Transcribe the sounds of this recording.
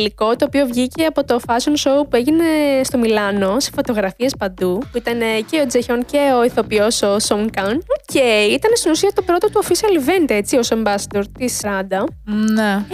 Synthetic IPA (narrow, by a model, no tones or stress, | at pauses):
liko̞t̪o̞ːpio̞vʝice̞ɐpo̞t̪o̞fɐsonso̞upue̞ʝine̞st̪o̞milɐno̞se̥fo̞t̪o̞ɣɾɐfie̞spɐnd̪upuit̪ɐne̞ce̞o̞d͡zeçonce̞oiθo̞pio̞so̞soŋkɐnoce̞jit̪ɐnest̪inusiɐt̪o̞pɾo̞t̪ot̪uofisiɐlvend̪e̞t͡siosombɐsd̪oɾt̪isɾɐd̪ɐne